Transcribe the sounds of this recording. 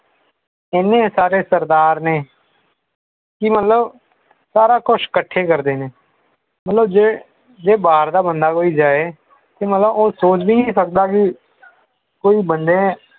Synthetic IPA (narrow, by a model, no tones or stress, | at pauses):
ɪnːẽːsaːɾeːsəɾd̪aːɾneː | kɪmət̪ləb | saːɾaːkʊʃkəʈʰːeːkəɾd̪eːneː | mət̪ləbd͡ʒeː | d͡ʒeːbaːɾd̪aːbənd̪aːkoːiːd͡ʒaːeː | t̪eːmət̪ləboːsoːt͡ʃbiːnĩːsək̚d̪aːkɪ | koːiːbənd̪ẽː